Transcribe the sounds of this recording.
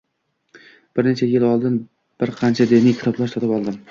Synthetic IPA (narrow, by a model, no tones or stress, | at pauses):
b̥ɪɾnet͡ʃʰajɪlɒlˠd̪ɪn | b̥ɪɾqʰɑnt͡ʃʰad̪ɪnijkʰʲɪ̥t̪ʰɒblˠaʃt̪ʰɒt̪ɪpɒlˠd̪ɪm